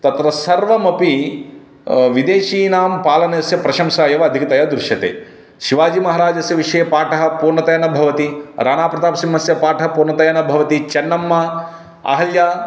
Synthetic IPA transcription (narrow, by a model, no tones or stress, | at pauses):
t̪ɐt̪ɾɐsɐɾʋɐmɐpi | ʋid̪eːʃiːnaːmpaːlɐnɐjɐsjɐpɾɐʃɐmʃaːjɐʋɐːd̪ʱikɐt̪ɐjad̪ɾuʃjɐt̪ḛː | ʃiʋaːd͡ʒimɐɦɐːɾaːd͡ʒɐsjɐʋiʂɐjɐpaːʈɐɦɐ̆puːɾnɐt̪ɐjɐnɐbʱɐʋɐt̪iɾaːnaːpɾɐt̪aːpɐsimːɐsjɐpaːʈʰɐɦɐpuːɾnɐt̪ɐjɐnɐbʱɐʋɐt̪it͡ʃɐnːɐmːɐ | ɐ̰ɦɐljaː